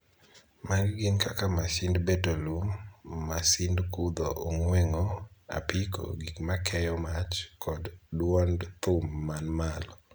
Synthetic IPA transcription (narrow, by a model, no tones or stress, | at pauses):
marɡɪnkakamasɪndbetolummasɪndkud̪oʔoŋwɛŋoa̰piko̰ɡikmakʰɛjɔmat͡ʃkʰɔddwɔndt̪ʊmːanmalɔ